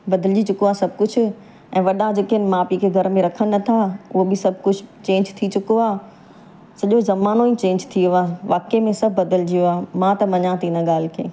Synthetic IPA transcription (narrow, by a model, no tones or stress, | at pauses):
bɐd̪əld͡ʑit͡ɕʊkoaːsɐb̚ʱkʊd͡ʑʱʊ̆ | ɛ̃ːʋɐɗãd͡ʑeːkɦɪnɪ̆mãːpiːkʰeɡʱɐɾmẽɾɐkʰənnɐt̪ʰaʊɦobɪsɐbʱkʊd͡ʑʰʱt͡ɕẽːɲd͡ʑt̪ʰit͡ɕʊkoaː | sɐʄozɐmaːnoĩt͡ɕẽːɲd͡ʑt̪ʰioaːʋaːkemẽsɐbʱbɐd̪əld͡ʑijoaːmãt̪ɐmɐɲãt̪iːnə̃ɠaːl̤kʰḛː